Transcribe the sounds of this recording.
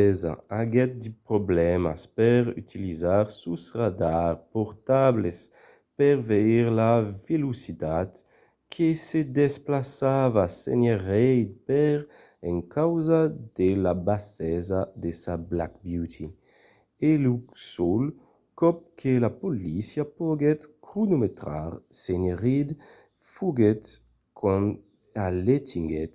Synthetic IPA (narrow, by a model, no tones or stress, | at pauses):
ɛza̰aɡɛt̪̚d̪ipɾoblɛma̰spɛʁy̰t̪ʰilizaʁsusʁad̪aʁpɔɾt̪ables | pɛʁveiʁlavelusit̪at̪ | kʰesed̪esplasavasḛneʁɛjd̪̚pɛʁ | ɛŋkʰawzad̪elabasɛzad̪esabla̰kbjut̪ʰi | elusɔl | kɔp̚kʰelapolisjapoɡɛt̪kɾunumet̪ɾa̰ɾseɲeʁid̪ | fuɡɛt̪ | kʰɔn | alet̪ʰiŋɡɛt̪